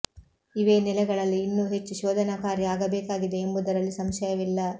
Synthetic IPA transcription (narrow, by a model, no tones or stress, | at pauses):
iʋeːnɛlɛɡɐɭɐlːiːnːuːɦe̞t͡ʃːuʃɔːd̪ʱɐnɐkaːɾjiaːɡɐbeːkaːɡid̪e̞ːmbud̪ɐɾɐlːisɐmʃɐjɐʋilːɐ